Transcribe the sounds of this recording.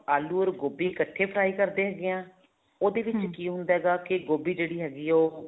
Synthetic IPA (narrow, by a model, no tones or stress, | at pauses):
aːluːəɾɡoːbiːkəʈʰːeːpʰəɾaːiːkəɾd̪eːɦɛːɡeãː | oːd̪eːʋɪt͡ʃkiːɦʊ̃nd̪aːɦɛːɡaːkɪɡoːbiːd͡ʒeːɽiːɦɛːɡiːoː